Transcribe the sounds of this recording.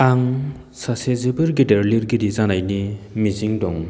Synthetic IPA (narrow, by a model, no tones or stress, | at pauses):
aŋ | sasezibɯɾɡideɾliɾɡiɾizanajnimiziŋdɔŋ